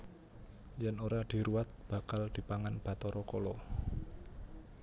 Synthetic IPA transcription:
jɛnoɾad̪̥i̤ɾuwat̪̚b̥a̤kald̪̥i̤paŋanb̥a̤t̪ɔɾɔkɔlɔ

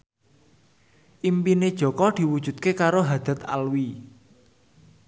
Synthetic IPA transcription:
ʔimpined̥ʒ̥ɔ̤kɔd̪̥i̤wud̥ʒ̥ṳt̪̚kekaɾoɦad̪̥a̤t̪a̰lwi

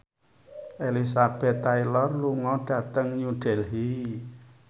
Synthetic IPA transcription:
ʔelisab̥ɛt̪ːailɔrluŋɔɖ̥ä̤t̪əŋɲuɖ̥ɛlɦi

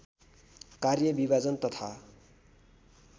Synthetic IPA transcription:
karjʌbibad͡zʌnt̪ʌt̪ʰa

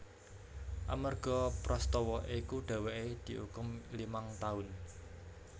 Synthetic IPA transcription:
ʔa̰mərɡ̥ɔ̤pɾɔst̪ɔwɔʔikuɖ̪̥a̤weʔed̪̥i̤ʔṵkʊmlimaŋt̪aʊn

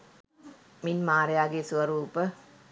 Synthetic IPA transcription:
minmaːɾejaːɡeːsuʋɐɾuːpə

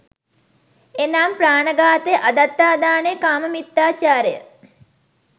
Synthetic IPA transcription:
enaːmpraːnəɡaːt̪ejʔad̪at̪ːaːd̪aːnejkaːməmit̪ːaːt͡ʃaːɾəjə̰

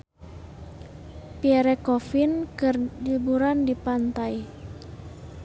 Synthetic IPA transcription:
piɛɾɛkɔfinkɨrd͡ʒubuɾandipant̪aj

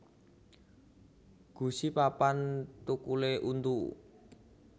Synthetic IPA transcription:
ɡ̥ṳsipapant̪ukuleʔunt̪u

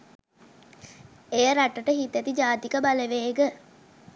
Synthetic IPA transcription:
ejəɾaʈəʈəɦit̪æt̪id͡ʒaːt̪ikəbaleʋeːɡə

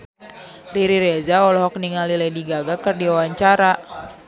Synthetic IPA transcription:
riɾiɾezaɔlɔɦɔk̚niŋalilɛdiɡaɡakɨrdiwawaɲt͡ʃaɾa

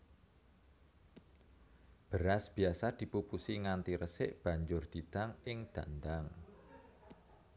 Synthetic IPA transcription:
b̥əɾasb̥i̤asad̪̥i̤pupusiŋant̪iɾəsɪʔb̥a̤ɲd͡ʒʊrd̪̥it̪aŋɪŋd̪̥a̤nd̪aŋ

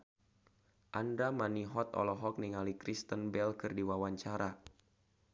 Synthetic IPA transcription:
ʔandamaniɦɔt̪ɔ̰lɔɦɔk̚niŋalikɾist̪ənbɛlkɨrdiwawaɲt͡ʃaɾa

